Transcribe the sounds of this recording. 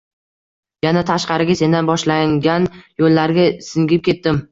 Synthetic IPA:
janat̪ʰaʃqɑɾɪɡʲase̞nd̪anbɒʃlaŋɡʲanjolːaɾɡʲasɪŋɡʲɪp̚kʲʰe̞t̪ːɪm

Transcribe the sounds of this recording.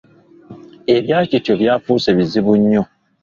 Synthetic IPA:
ebjat͡ʃitobjafuseβizibuɲːo

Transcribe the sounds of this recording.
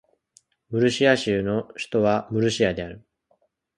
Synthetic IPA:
mɯ̟ɾɯ̟ɕiaɕɨːno̞ɕi̥t̪o̞βamɯ̟ɾɯ̟ɕiad̪e̞aɾɯ̟

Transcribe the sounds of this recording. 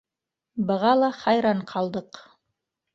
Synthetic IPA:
bɤ̆ʁɑlˠɑχɑjɾɑɴqʰɑlˠd̪ɤq

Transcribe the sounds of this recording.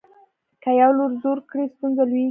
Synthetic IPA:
kajawloɾzoɾkɽist̪unzalwi

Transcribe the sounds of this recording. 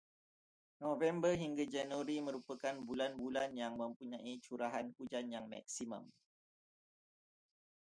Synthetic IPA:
novɛmbərɦiŋɡad͡ʒɛnwəɾimə̃ɾupəkanbulanbulanjaŋmə̃mpuɲãʔit͡ʃuɾaɦankud͡ʒanjaŋma̰k̚simə̰̃m

